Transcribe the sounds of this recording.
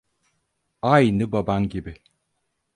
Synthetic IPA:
ajnɯbabanɟibɪ

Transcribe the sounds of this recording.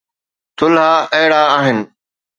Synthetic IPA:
t̪ʰʊlɦaːʔəɦɽaːaːɦɪnɪ̆

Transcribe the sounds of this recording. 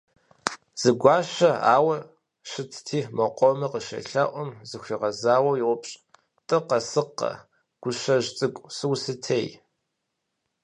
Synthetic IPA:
z̥ɨɡʷɑːʃɐa̰ːwɐ | ʃɨtʰtʰiːmɐqʷʼɔmɨqəʃɐ̰ɬɐ̰ʔʷɔmzɨxʷiːʁɐzaːwɐwjɪwʷʊpɕʼ | tʼɨqɐsɨqːɐ̰ | ɡ̥ʷʊʃɐʒt͡sʼɨkʷʼsɨwsɨtʰeːj

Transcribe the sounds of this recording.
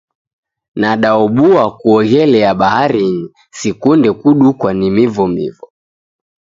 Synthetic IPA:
naɗaɔɓuakuɔɣɛlɛjaɓahaɾini | sikundɛkuɗukwanimivɔmḭvɔ

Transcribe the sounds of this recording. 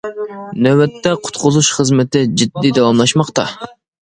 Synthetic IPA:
nøɛt̪ːɛqʰʊ̥t̪qʰʊzuʃχəzmɪt̪ɪd͡ʒid̪ːid̪ɑwɑmlˠɑʃmɑqt̪ɑ

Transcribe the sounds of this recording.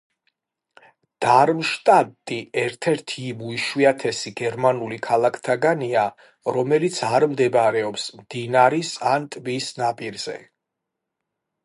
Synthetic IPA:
d̪̥aɾmʃt̪ʼat̪ʼiɛɾt̪ʰɛɾt̪ʰibuiʃwiat̪ʰɛsiɡɛɾmanulikʰalˠakʰt̪ʰaɡania | ɾɔmɛlit̪sʰaɾmd̪ɛbɾɛɔpsmd̪̥inaɾisant̪ʼbisnapʼiɾz̥ɛ̰

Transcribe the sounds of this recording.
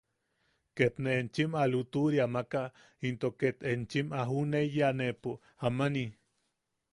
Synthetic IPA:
ket̪neʔːnt͡ʃimalut̪uɾiamaka | int̪oket̪ent͡ʃimaɦunejanepu | amani

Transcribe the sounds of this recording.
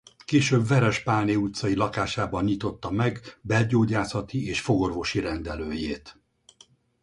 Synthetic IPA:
keːʃøːbvɛɾɛʃpaːneut̪sɒilɒkaːʃaːbɒnɲit̪o̞t̪ːɒmɛɡbɛlɟoːɟaːsɒt̪ieːʃfo̞ɡo̞rvo̞ʃiɾɛnd̪ɛløːjeːt̪

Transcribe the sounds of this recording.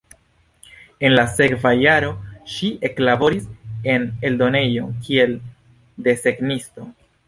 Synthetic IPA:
e̞nlase̞kvajaɾo̞ʃiʔe̞klabo̞ɾise̞ne̞ldo̞ne̞jo̞kʰie̞l | de̞se̞ɡnisto̞

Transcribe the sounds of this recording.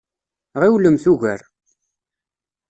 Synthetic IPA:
ʁiwləmθuʝə̰ɾ

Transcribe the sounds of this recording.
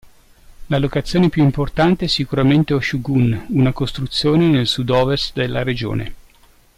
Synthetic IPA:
lalokat̪sːjoːnepjuimport̪ant̪eɛsːikuɾament̪eoʃuɡununakost̪ɾut̪sːjoːnenelsud̪ɔːvest̪d̪elːaɾed͡ʒo̰ːnḛ

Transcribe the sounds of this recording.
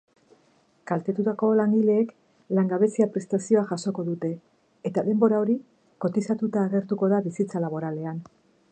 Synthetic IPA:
kalt̪e̞t̪ut̪ako̞laŋɡile̞ːk | laŋɡaβe̞siapɾe̞st̪asio̞aʝaso̞ko̞ðut̪e̞ː | t̪aðe̞mbo̞ɾao̞ɾi | ko̞t̪isat̪ut̪aːɣe̞ɾt̪uko̞ðaβisit͡salaβo̞ɾale̞an

